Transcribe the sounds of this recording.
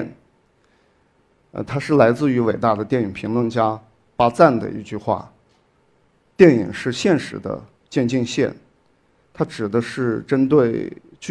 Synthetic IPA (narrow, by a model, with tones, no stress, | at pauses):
n | ə̰˧t̪ʰa˥ʂɻ̩˥˩la˧˥ɪt͡sɹ̩˥˩y˧˥we˨˩ɪt̪a˥˩d̪ə˩t̪jɛ˥˩ni˨˩ŋpʰi˧˥ŋlwə˥˧nt͡ɕja˥ | pa˥t͡sa˥˩nd̪ə̰˩ḭ˧˥t͡ɕy˥˧xwa̰˥˩ | t̪jɛ˥˩nḭ˨˩ŋʂɻ̩˥˧ɕjɛ˥˩nʂɻ̩˧˥d̪ə̰˧ | t͡ɕjɛ˥˧nt͡ɕi˥˧ŋɕjɛ̰˥˩n | t̪ʰa˥ʈ͡ʂɻ̩˨˩d̪ə˦ʂɻ̩˥˩ʈ͡ʂə˥nt̪we˥˩ɪ | t͡ɕ